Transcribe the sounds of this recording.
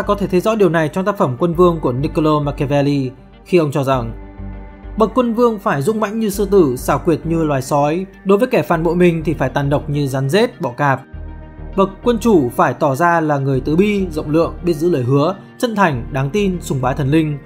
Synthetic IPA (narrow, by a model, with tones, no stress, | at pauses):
t̪aː˧kɔ˨˦t̪ʰe˧˩t̪ʰə˨˦jzɔ̰˧˥ɗi˨˩əwna˨˩jt͡ɕɔ˧ŋ͡mt̪aː˦˥k̚fə˧˩mkwə˧nvɨ˧əŋku˧˩əni˧ko˧lo˧maː˧kɛ˧vɛ˧li˧ | xi˧ʔə˧wŋ͡mt͡ɕɔ˧za˨˩ŋ | ɓə˨˩kːwə˧nvɨ˧əŋfaː˧˩jzʊ̰˧˥ŋ͡mma̰˧˥jŋ̟ɲɨ˧sɨ˧t̪ɨ˧˩saː˧˩wkwi˨˩ət̚ɲɨ˧lwaː˨˩jsɔ˨˦j | ɗo˨˦jvəː˨˦jkɛ˧˩faː˨˩nɓo̰˧˨jmï˨˩ŋ̟t̪ʰi˨˩faː˧˩jt̪aː˨˩nɗə˨˩wk͡p̚ɲɨ˧za˨˦nze˦˥t̚ɓɔ̰˧˨kaː˨˩p̚ | ɓə˨˩k̚kːwə˧nt͡ɕu˧˩faː˧˩jt̪ɔ˧˩zaː˧laː˨˩ŋɨ˨˩əjt̪ɨ˨˩ɓi˧zə̰˧˨wŋ͡mlɨ̰˧˨əŋɓi˦˥ət̚zɨ̰˧˥ləː˧˨jɦɨ˨˦ə | t͡ɕə̰˧˥˨nt̪ʰa˨˩jŋ̟ɗaː˨˦ŋt̪i˧nsʊ˨˧˩ŋ͡mɓaː˨˦t̪ʰə˨˩nlï˧ŋ̟